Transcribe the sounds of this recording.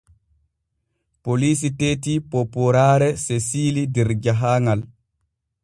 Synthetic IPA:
polisiteːtipopuɾaːɾɛsesilidɛɾd͡ʒaɦaːŋal

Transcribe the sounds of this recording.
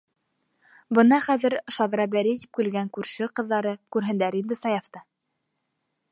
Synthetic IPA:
bɤ̆nɑχæðɘ̆ɾʃɑðɾɑbæɾit̪ip̚kɘ̆lɡæŋkʉɾʃɘqɤ̆ðːɑɾɤkʉɾɦɘ̆nd̪æɾind̪ɘsɑjɑft̪ɑ

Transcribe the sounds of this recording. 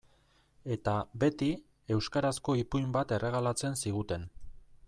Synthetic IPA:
e̞t̪abe̞t̪i | e̞wskaɾasko̞ipujmbat̪e̞rʔe̞ɣ̞alat͡se̞nsiɣ̞ut̪e̞n

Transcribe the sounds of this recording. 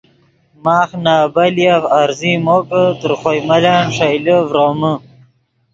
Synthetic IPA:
maːχnaːbɐljavaɾzimoːkət̪əɾχojmɐlaːnʂajləvɾoːmə

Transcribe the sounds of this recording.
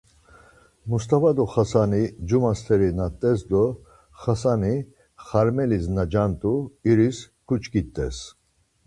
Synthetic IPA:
must̪ʼavad̪uχasanid͡ʒumast̪ʰɛɾinat̪ʼːɛsd̪ɔ | χasani | χaɾmɛlisnad͡ʒant̪ʼuiɾis | kʰut͡ʃʰkit̪ʼːɛ̰s

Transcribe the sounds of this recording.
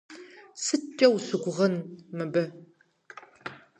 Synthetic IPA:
sɨt͡ʃʼɐwsɨɡʷʊʁɐnmɨbɐ

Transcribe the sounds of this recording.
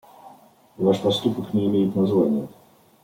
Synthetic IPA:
vaʂpɐst̪upəknʲɪɪmʲejɪt̪ʲnazvanʲɪjə

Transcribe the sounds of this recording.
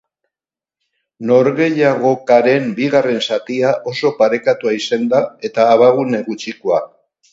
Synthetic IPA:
no̞ɾɣe̞jaɣ̞o̞kaɾe̞mbiɣare̞nsat̪iaʔo̞so̞paɾe̞kat̪uaisend̪ae̞t̪aːβaɣune̞ɣut͡ʃikoa

